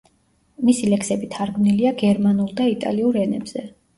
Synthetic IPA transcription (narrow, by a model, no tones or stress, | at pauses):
misilɛksɛbit̪ʰaɾɡmniliaɡɛɾmanulˠd̪ait̪ʼa̰liuɾɛnɛbz̥ɛ